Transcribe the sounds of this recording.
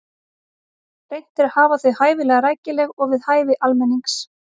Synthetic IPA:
rejn̥t̪ɪɾ̥haːvaθʏðhaːjvɪlɛːɣaɾaːjcɪlɛɣɔɣvɪðhaːjvɪʔalmɛnːiŋks

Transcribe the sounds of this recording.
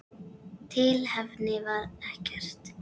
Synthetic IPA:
t̪ʰɪlhɛvnɪvaɾɛhcɛr̥t̪

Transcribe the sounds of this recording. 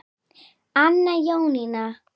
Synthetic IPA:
anːajawnɪna

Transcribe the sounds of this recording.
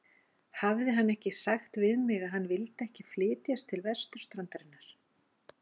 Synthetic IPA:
havðɪɦanːɛhcɪsaxt̪vɪðmɪɣaðɦanːvɪlt̪ɛhcɪflɪːt̪jast̪ʰːɪlvɛ̥st̪ʏɾ̥st̪ɾant̪aɾɪnːaɾ̥

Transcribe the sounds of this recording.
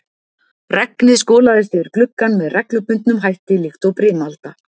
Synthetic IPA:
rɛknɪskɔːlaðɪst̪ɛvɪɾ̥klʏkːanvɛðrɛklʏpʏnt̪nʏmɦajht̪ɪlɪxt̪ɔwpɾɪːmalt̪a

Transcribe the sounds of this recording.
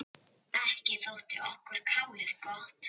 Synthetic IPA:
ɛhcɪθowt̪ɪʔɔhkʏɾ̥kʰawlɪðkɔht̪

